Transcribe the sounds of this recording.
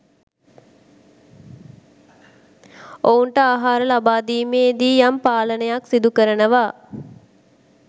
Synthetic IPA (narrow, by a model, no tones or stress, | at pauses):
ounʈəaːɦaːɾəlabaːd̪iːmeːd̪iːjampaːlənəjaksid̪ukəɾənəʋaː